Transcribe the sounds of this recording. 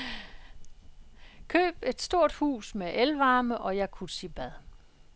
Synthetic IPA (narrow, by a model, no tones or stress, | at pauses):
kʰø̰ːb̥e̝d̥sd̥o̝ɐ̰d̥hṵːsmeʔelʋɑ̈ːməʔɒ̽jɑ̈ɪkʰusib̥æðˠ